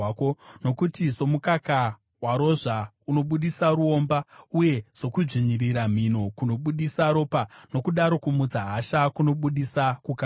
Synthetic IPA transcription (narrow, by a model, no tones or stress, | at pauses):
kono̞kutiso̞mukaka | waɾo̞ʐa | uno̞ɓuɗisaɾuo̞mbauje̞z̥o̞kuʐiɲiɾiɾam̤ino̞kuno̞ɓuɗisaɾo̞pano̞kuɗaɾo̞kumud͡zaɦaʃakuno̞ɓuɗisakuka